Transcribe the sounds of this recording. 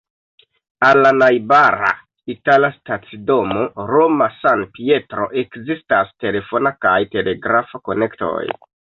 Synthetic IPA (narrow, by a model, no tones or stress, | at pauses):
alːanajbaɾa̰ | italastat͡sido̞mo̞ɾo̞masanpie̞tɾo̞̰ʔe̞kzistaste̞le̞fo̞nakajte̞le̞ɡɾafako̞ne̞kto̰j